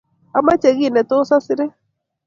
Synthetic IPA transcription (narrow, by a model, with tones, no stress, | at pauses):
a˦ma˦t͡ʃe˨ɣi˦˨nɛ˨to˦sa˦sɪ˦ɾe˦